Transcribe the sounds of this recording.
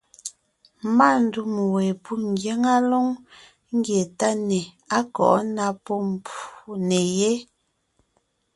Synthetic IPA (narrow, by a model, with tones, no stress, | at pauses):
ma˦˨n̩˦du˦˨m˨wɛ˨pu˦ŋ˨ɡje˦ŋa˦lɔ˦ŋ | ŋ̩˦ɡje˨ta˦nɛ˨ | a˦kɔ̰˨ʔna˦pɔ˦m˨pu˨ne˨je˦